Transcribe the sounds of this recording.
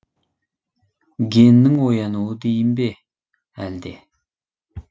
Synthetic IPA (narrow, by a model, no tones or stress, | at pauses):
ɡʲenːɪŋwojɑnuwəd̪ejɪmbe | æ̰ld̪e